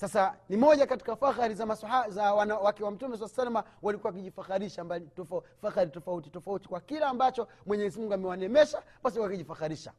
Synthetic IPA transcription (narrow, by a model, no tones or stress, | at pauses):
sasanimɔʄakati̥kafaxaɾizamasaazawanawakɛwam̩tumɛs̬asalamawalikuawak̬iʄifaxaɾiʃambalitɔfafaxaɾitɔfauti̥tɔfauti̥kwakilaːmbat͡ʃɔ | mwɛɲɛɛzimuŋɡuamɛwanɛmɛʃaɓasiwakiʄifaxaɾiʃa̰